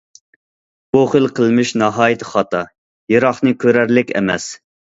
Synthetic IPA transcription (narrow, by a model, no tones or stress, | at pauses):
b̥uχəlˠqʰəlˠmɪʃnɑɦɑːjɨt̪ʰə̥χɑt̪ʰɑ | jeɾɑχnɨkʲʰøɾæɾlɪkʲɛ̰mɛ̰s